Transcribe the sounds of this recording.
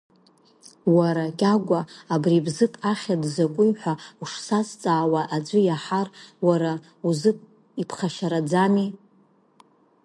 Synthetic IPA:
waɾakʲʼaɡʷaːbribzɨpʼaχʲadzakʷʼʊjħʷauʂsast͡sʼaːwaʔad͡ʒʷɨjaħarwaɾa | uzɨpʼ | ipʰχaʃaɾad͡zami

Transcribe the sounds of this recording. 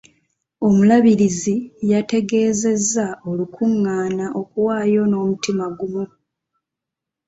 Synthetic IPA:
o̞mulaβiɾizijate̞ɡe̞ːze̞zːao̞lukʰuŋːaːnaʔo̞kuwaːjo̞no̞ːmutimaɡumu

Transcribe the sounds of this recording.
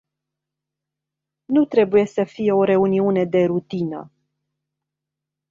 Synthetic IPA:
nut̪ɾe̞buje̞səfije̞o̞ɾe̞uniune̞d̪e̞ɾut̪inə̰

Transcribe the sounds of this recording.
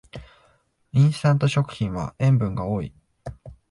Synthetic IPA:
ĩɰ̃st̪ãnt̪o̞ɕo̞kɯ̟̥çʲĩɰ̃βa̰ẽ̞mbɯ̟̃ŋɡaoːḭ

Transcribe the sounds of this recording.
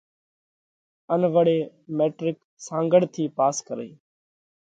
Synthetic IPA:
ənʋəɽeː | meːʈɾɪk | sãːŋɡəɽt̪ʰiːpaːskəɾḛː

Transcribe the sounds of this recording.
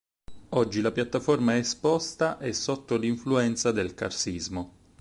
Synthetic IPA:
ɔd͡ʒːilapjat̪ːafɔrmaɛspɔst̪aʔɛsːɔt̪ːoliɱfluɛnt̪sad̪elka̰rsizmo

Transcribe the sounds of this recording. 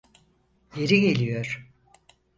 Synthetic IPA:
je̞ɾiɡe̞lʲijoɾ̥

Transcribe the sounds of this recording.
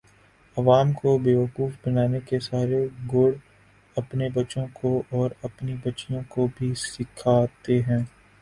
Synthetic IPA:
ɐʋaːmkobeːʋəquːfbɐnaːnekesaːɾeɡʊːɽ | ɐpnebɐt͡ʃõkʰoʔɔːɾɐpnibɐtːʃijõkobʱisɪkʰaːt̪eɦɛ̃ː

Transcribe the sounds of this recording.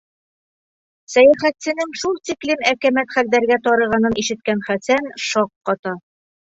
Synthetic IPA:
sæjæχæt̪sɘ̆nɘŋʃulˠt̪iklimækæmæt̪χæld̪æɾɡæt̪ɒɾɤ̆ʁɑnɤniʃɘ̆t̪̚kænχæsænʃɒqːɒt̪ɑ

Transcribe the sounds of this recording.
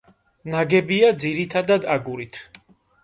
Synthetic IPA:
naɡɛbiad̪ziɾit̪ʰad̪ad̪aɡuɾit̪ʰ

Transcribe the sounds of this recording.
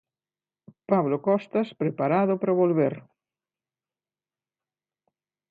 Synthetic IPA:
paβlokɔst̪aspɾepaɾaðʊpɾaβolβeɾ

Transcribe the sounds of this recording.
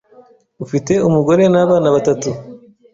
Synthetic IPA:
ufite̞umuɡo̞ɾe̞naːβaːnaβatatu

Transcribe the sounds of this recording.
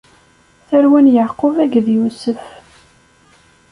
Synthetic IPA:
θæɾwænjəʕqovæɡðjusəf

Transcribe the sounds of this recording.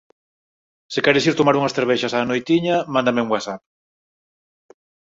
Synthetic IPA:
sɪkɛɾɪsiɾt̪omaɾuŋɐsθeɾβɛʃɐsaːnojt̪iɲɐmãnd̪amɪuŋwasap̚

